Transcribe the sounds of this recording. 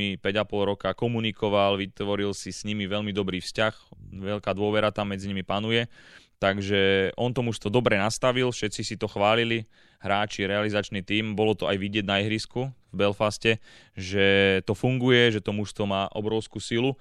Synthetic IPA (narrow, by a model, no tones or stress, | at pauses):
ipɛɟapɔlɾɔkakɔmunikɔʋalʋit̪ʋɔɾilsisɲimiʋɛʎmid̪ɔbɾiːfscaxʋɛʎkaːd̪ʊɔʋɛɾat̪amːɛd͡ziɲimipanujɛt̪aɡʒɛʔɔnt̪ɔmuʃst̪ʋɔd̪ɔbɾɛnast̪aʋilfʃɛt̪t͡sisit̪ɔxʋaːlili | ɦɾaːt͡ʃiɾɛalizat͡ʃnit̪iːmbɔlɔt̪ɔajʋiɟɪɛɟnaɛɦɾiskuvbɛlfascɛ | ʒɛt̪ɔfuŋɡujɛʒɛt̪ɔmuʃst̪ʋɔmaːʔɔ̰bɾɔʊskusilu